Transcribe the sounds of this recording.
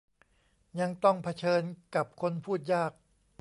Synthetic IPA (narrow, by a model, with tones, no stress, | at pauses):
ja˧ŋt̪ɔ˥˩ŋpʰa˧t͡ɕʰɤː˧nka˨˩p̚kʰo˧npʰuː˥˩t̪̚jaː˥˩k̚